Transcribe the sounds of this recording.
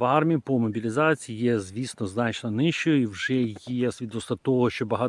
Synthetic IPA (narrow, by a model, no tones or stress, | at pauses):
ʋɑrmʲijipɔmɔbʲilʲɪzɑt͡sʲiijɛzʲʋʲisnɔznɑt͡ʃnɔnɪʃt͡ʃɔjiwʐɛjɛsʲʋʲid̪ɔst̪ˠɐt̪ɔɦɔʃt͡ʃɔbɐɦɑt̪